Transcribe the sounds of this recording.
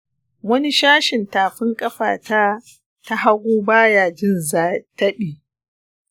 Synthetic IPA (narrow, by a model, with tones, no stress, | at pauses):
wɐ˦ni˦ʃaː˦ʃɪ˨ntaː˨ɸɪ˦ŋkʼɐ˦ɸa̰ː˨ta˦ | ta˦ɦa˦ɡʷoː˦baː˦jaː˨d͡ʒɪ˦nzaː˦tɐ˦ɓiː˨